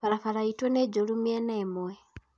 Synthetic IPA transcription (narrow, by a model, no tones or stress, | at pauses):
falafalaitweneɟolumieneːmwe